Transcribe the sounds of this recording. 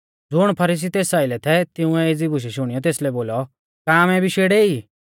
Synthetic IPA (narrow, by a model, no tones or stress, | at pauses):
d͡zʊɽ̃pʰɐɾiːs̬it̪eːsaːɪlɛt̪ʰɛt̪ɪʊ̃ɛɪd͡zibʱʊʃ̬ɛʃʊɽ̃ijɔt̪̬eːslɛboːlɔ | kaːmɛbʱiʃeːɽeːi